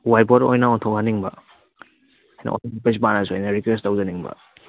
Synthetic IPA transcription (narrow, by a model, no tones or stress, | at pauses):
wajboɾo̰jnaɔntʰowɦaniŋbɐ̰ | ajna̰ɔ̰ntʰipesbanazojnɐɾikwestawzaniŋbɐ̰